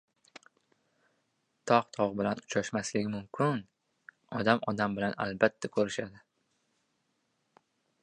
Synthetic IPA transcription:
t̪ʰɒqt̪ʰɒʁbɪlanʊt͡ʃʰaʃmaslɪɡʲɪmʊmkʲʰɪn | ɒd̪amɒd̪ambɪlana̰lbat̪ʰːakʰɵɾɪʃad̪ɪ

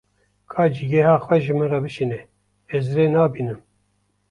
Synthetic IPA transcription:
kʰɑːd͡ʒiɡɛhɑːxwɛʒɨmɨrɛbɨʃinɛ | ɛzreːnɑːbiːnɨm

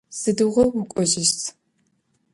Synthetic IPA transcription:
z̥ɨdɨʁɐwʊkʷʼɔʑɪʃtʰ

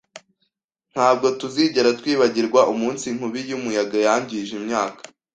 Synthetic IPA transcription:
n̥haːb̚ɡo̞tuziːɟe̞ɾatwiːβaɟiɾɡwaʔumuːnsiŋ̥huβijumujaɡajaːɲɟiʒimɲaːkḁ

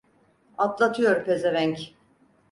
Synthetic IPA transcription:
at̪lˠat̪ʰɯjo̞ɾupʰe̞zevæɲc

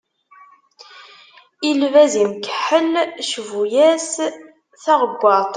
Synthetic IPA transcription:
ilvæzimkəħəlʃvujæs | θɑʁəɡʷːɑt̪ˤ

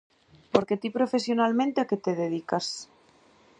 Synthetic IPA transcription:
poɾket̪ipɾo̞fesjonalmẽnt̪eaket̪eðeð̞ikas

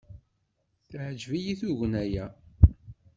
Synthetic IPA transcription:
θʕəd͡ʒvijiθuʝənæjæ

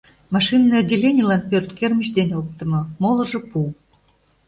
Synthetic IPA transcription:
mɑʃinːəɑɡʲelʲenʲilɑnpørt̪kerməɕd̪enʲok̚t̪ə̆mɤ̆molɤ̆ʒɤ̆pu

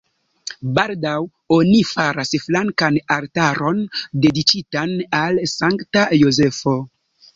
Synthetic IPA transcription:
baldaw | o̞nifaɾasflaŋkanaltaɾo̞nde̞dit͡ʃitanalsaŋktajo̞ze̞fo̞

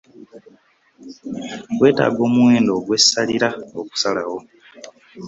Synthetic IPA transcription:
we̞ːta̰ːɡo̞ːmuwe̞ːndo̞ːɡwe̞sːaliɾaoku̥salawo̞

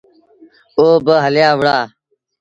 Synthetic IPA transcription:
oːbəɦəljaːʋəɽaː

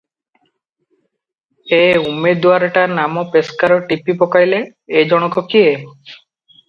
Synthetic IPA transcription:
eumed̪waɾɔʈanamɔpeskaɾɔʈipipɔkajleː | d͡ʒɔɽ̃ɔkɔkie

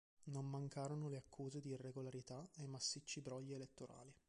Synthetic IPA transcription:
nomːaŋkaːɾonoleakʰːuːzed̪iːreɡolaɾit̪aemasːit͡ʃːibɾɔʎːeːlet̪ːoɾʔa̰ːli

